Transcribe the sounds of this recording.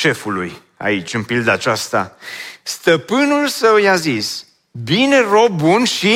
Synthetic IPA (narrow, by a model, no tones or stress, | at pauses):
ʃe̞fulṵj | a̰it͡ʃʲɨnpild̪əat͡ʃast̪a̰st̪əpɨnulsəwjazis | binero̞ːunʃi